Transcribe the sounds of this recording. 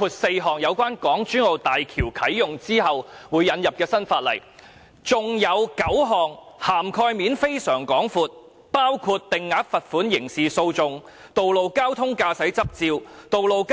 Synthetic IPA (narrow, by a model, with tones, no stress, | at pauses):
uː˧t̚se˧jɦɔː˨˩ŋjɐ˨˧wkʷaː˥nkɔː˨˥ŋt͡ʃyː˥no˨˧wt̪aː˨jkʰiː˨˩wkʰɐ˨˥jːʊ˨ŋt͡siː˥ɦɐ˨wwuː˨˧jːɐ˨˧njɐ˨p̚kɛː˧sɐ˥nfaː˧t̚lɐ̰˨˩j | t͡sʊ˨ŋjɐ˨˧wkɐ˨˥wɦɔː˨˩ŋ | haː˨˩mkʰɔː˧jmiː˨˥nfe˥jsœː˨˩ŋkɔː˨˥ŋfuː˨˧t̚ | paː˥wkʰuː˧t̚t̪ɪ˨ŋːaː˨˥k̚fɐ˨t̚fuː˨˥njɪ˨˩ŋsiː˨so˧wt͡sʊ˨˧ŋ | t̪o˨wlo˨˧wkaː˥wt̪ʰʊ˥ŋkaː˧sɐ˨˥jt͡sɐ˥p̚t͡siː˧wt̪o˨wlo˨wk